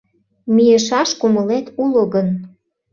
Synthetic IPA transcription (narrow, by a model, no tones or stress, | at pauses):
mijeʃɑʃkuməlet̪uloɣən